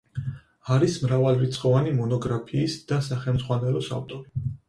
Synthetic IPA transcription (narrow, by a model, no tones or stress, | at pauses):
aɾismɾavalɾit̪sʼχɔvanimɔnɔɡɾapʰiːsd̪̥asaχɛlmd̪zʁwanɛlɔsa̰ft̪ʼɔɾi